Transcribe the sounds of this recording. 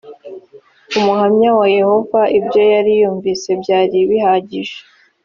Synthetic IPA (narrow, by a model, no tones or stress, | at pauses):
umuɦamɲawaje̞ho̞vaʔibjo̞jaɾijuːɱviːse̞bɟaːɾiβihaːɟiʒe̥